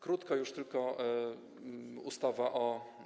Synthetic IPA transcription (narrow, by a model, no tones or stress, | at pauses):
kɾut̪kajuʂt̪ɘlkɔ | ust̪avaʔɔ